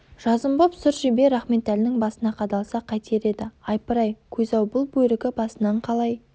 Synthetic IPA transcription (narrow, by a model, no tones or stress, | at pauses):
ʒ̥ɑzəmbopsʊɾʒebe̞ɾɑχme̞t̪ælɪnɪŋbɑsənɑqʰɑd̪ɑlˠsɑqʰɑjt̪eɾe̞d̪ɪɑjpəɾɑjkʲʰɵzɑwbʊlˠbɵjɾɪɡʲɪbɑsənɑɴqʰɑlˠɑj